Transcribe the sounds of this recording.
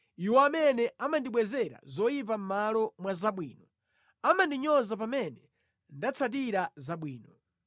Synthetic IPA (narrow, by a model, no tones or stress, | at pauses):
iwɔamɛnɛamandiɓwɛzɛɾa̰zɔjip̬am̩malɔmwazaɓwiːnɔ | amandiɲɔzap̬amɛnɛ | ndat͡sʰat̬iɾazaɓwiːnɔ